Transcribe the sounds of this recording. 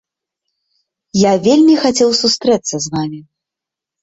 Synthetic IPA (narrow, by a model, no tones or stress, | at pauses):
javʲelʲmʲixat͡sʲɛwsust̪ɾɛt̪sːɐzvamʲi